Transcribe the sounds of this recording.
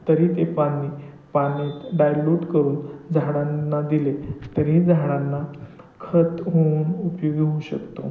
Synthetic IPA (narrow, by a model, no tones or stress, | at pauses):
t̪əɾiːt̪epaniː | panit̪ɖajluʈkəɾuːnd͡zʱaɽ̃ãnːad̪ilet̪əɾĩd͡zʱaɽ̃anːa | kʰət̪ɦonupjoɡɦoũɕəkt̪o̰